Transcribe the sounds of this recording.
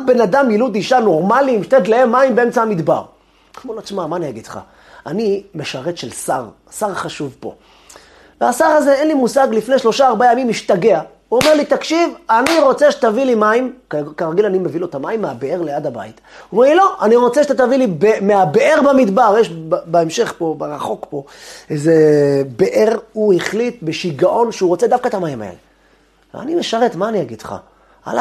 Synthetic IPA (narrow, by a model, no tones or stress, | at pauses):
abe̞nad̪amjilud̪iʃano̞ʁmalimʃt̪ed̪leemːaimbeemt͡saamid̪ba̰ʁ | χmelat͡smamaneeɡit̪χa̰ | anime̞ʃaʁe̞t̪ʃelsa̰ʁ | saʁχaʃuvpo̞̰ | veasaʁazeenlimusaɡlifne̞jʃlo̞ʃaːʁbajamimiʃtaɡe̞a | uome̞ʁlit̪akʃivaniʁo̞t͡se̞ʃe̥t̪avilimaimkkaʁaɡilanimevilotamaimːeabee̞ʁleadaba̰it̪uomeʁlilo̞aniʁo̞t͡seʃt̪at̪avilibemeabeʔeʁbamid̪baʁjeʃbbeemʃe̞χpo̞beʁaχo̞kpo̞ezebeʔeʁuhiχlit̪̚beʃiɡaʔo̞nʃeuʁo̞t͡se̞d̪afkaet̪amaima̰ḛle | v̰a̰nimeʃaʁet̪maːniaɡid̥χa̰ | a̰la